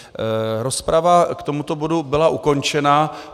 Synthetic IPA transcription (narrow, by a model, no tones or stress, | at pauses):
ɾo̞spɾavakt̪o̞mut̪o̞bo̞dubɪlaʔuko̞nt͡ʃɛna